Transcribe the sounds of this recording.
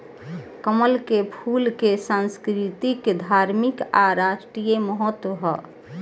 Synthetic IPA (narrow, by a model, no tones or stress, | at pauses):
kəməlkepʰulkesãnskɾit̪ikd̪ʱaɾmɪkaɾaʃʈɾijeməɦɔt̪wəɦɔ